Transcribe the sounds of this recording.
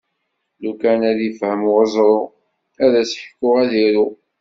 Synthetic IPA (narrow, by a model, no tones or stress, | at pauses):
lukænæðifhəmʁəzˤɾˤo | æðæsħə̥kːʊʁæðiɾu